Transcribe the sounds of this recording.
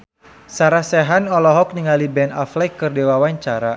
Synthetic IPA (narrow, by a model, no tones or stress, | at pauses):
saɾahsɛɦanɔlɔɦɔk̚niŋalibɛnaflɛkːɨrdewawaɲt͡ʃaɾa